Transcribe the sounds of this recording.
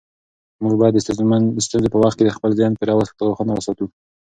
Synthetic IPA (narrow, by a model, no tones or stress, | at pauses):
muɡbɑjad̪ːəsəst̪unzepəwaxt̪̚ked̪əxpəlzjɑnpəɾɑwəst̪d̪əɣoxənawasɑt̪u